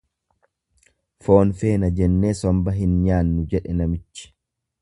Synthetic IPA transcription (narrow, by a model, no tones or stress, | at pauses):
fo̞ːnfe̞ːnɐd͡ʒɛnːe̞ːsɔmbɐɦɪnɲaːnːʊd͡ʒɛᶑɛnɐmɪt͡ʃːɪ̥